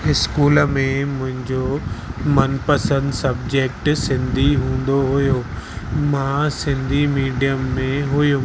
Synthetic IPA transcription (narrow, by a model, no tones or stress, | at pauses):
ɪskuːlmẽmʊ̃ɦɪ̃ɲd͡ʑomɐnpɐsə̃nd̪sɐbd͡ʑeːk̚ʈsɪ̃nd̪ʱiɦũːn̆d̪oɦʊjo | mãsɪ̃nd̪ʱimiːɖijəmːẽɦʊjo